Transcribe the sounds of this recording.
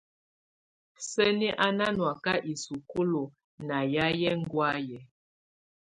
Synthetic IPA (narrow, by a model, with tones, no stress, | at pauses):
sə˦ni˦ʔa˦na˦nwa˨ka˦ʔi˨su˨ku˦lo˨ | na˨ja˦jɛ˦ŋ˦ɡwa˦jɛ˨